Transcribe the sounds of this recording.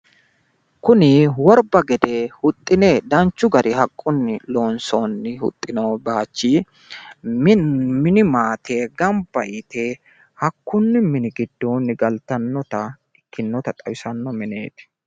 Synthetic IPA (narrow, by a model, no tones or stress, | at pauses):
kʊnɪwɔɾbɐɡɛd̪e̞ːhʊt̪ʼːɪneːd̪ɐnt͡ʃːʊɡɐɾʔɪɦɐkʼːʊnːɪlo̞ːnsoːnːɪhʊ̰t̪ʼːɪnoːbaːt͡ʃːiː | mɪnɪmaːt̪ʰe̞ːɡɐmbɐʔɪt̪e̞ː | hɐkːʊnːɪmɪnɪɡɪd̪ːoːnːɪɡɐlt̪ɐnːɔt̪ɐ | ɪkːɪnːɔt̪ɐt̪ʼɐwɪsɐnːɔmɪnḛːt̪ɪ̥